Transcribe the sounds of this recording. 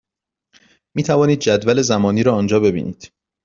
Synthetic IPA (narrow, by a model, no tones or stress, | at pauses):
miːt̪ʰævɒːniːd̪̚d͡ʒæd̪væle̞zæmɒːniːɾɒːnd͡ʒɒːbe̞bḭːnḭːd̪̥